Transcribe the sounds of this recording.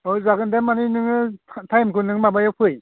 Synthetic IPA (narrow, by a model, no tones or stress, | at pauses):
ɯjzaɡɯndamaninɯŋɯtʰajmkɯnɯŋmabajawpʰɯj